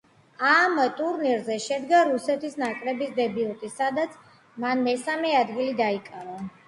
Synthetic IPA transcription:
amt̪ʼuɾniɾzɛʃɛd̪ɡaɾusɛt̪ʰisnakʼɾɛbisd̪ɛbilˠt̪ʼisad̪at̪sʰ | manmɛsamɛad̪ɡilid̪aikʼaɾa

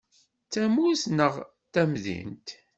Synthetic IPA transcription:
t͡sːæmusnəʁ | t̪æmðḭnt̪

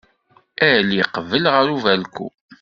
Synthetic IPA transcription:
æliqəvəlʁəɾuvælkṵ

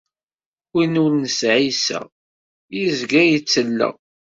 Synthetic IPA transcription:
inulnəsʕisæ̰ | jizɡæjit͡sːəlːə̰

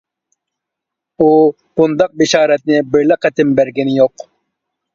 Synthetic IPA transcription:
u | b̥ʊnd̪ɑq̚bɪʃɑːɾɛt̪̚nɪbɪɾlɛqʰɛt̪ɪmbæɾɡʲɛnɪjoq

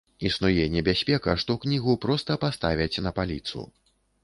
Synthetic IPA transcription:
isnujɛnʲːɛbʲasʲpʲɛkɐʂt̪ɔknʲiɣupɾɔst̪ɐpast̪avʲɐt͡sʲnɐpalʲit̪sṵ

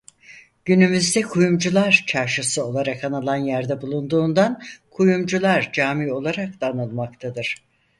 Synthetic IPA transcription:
ɟ̥ynymyzd̪ɛkʰujumd͡ʒulˠaɾt͡ʃʰaɾʃɯsɯo̞lˠaɾakanɯlˠanjæɾd̪ɛbulˠund̪uːnd̪ankʰujumd͡ʒulˠaɾd͡ʒaːmiːo̞lˠaɾak̚d̪anɯlˠmakt̪ʰad̪ɯɾ̥

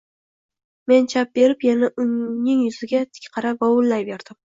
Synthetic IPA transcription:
me̞nt͡ʃʰap̚be̞ɾɪpjanaʔʊŋnɪŋjʊzɪɡʲat̪ʰɪ̥kʲqʰɑɾavɒwʊlˠːajbe̞ɾd̪̥ɪm

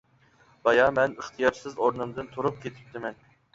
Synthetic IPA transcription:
b̥ɑjɑmɛnəχt̪ʰɨjɑɾsɨzoɾnɨmd̪ɨnt̪ʰuɾup̚kʲet̪ʰɪ̥p̚t̪ʰɪmɛn

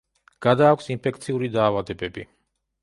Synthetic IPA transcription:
ɡ̥ad̪aːkʷʰsinpʰɛk̚ʰt̪sʰiuɾid̪aːvad̪ɛbɛbi

